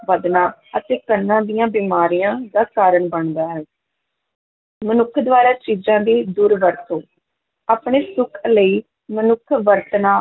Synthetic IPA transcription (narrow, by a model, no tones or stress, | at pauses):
ʋəd̪naːət̪eːkənːãːd̪ijãːbiːmaːɾijãːd̪aːkaːɾəɳbəɳd̪aːɦɛː | mənʊkʰd̪ʋaːɾaːt͡ʃiːzãːd̪iːd̪uːɾʋəɾt̪oː | aːpɳeːsʊkʰləiː | mənʊkʰʋəɾt̪naː